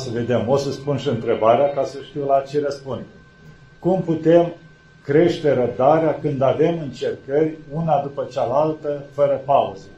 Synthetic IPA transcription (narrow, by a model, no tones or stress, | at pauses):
səve̞d̪e̞mo̞səspunʃiɨnt̪ɾe̞baɾeakasəʃt̪iwlat͡ʃeɾəspund̪e | kumput̪e̞m | kɾe̞ʃt̪e̞ɾəp̚d̪aɾeakɨnd̪ave̞mɨnt͡ʃe̞rkərʲunad̪upət͡ʃalalt̪əfəɾəpauzə